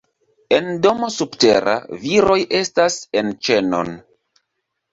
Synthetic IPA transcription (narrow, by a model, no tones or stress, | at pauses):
e̞ndo̞mo̞subteɾa̰viɾo̞jʔe̞stasent͡ʃe̞no̞̰n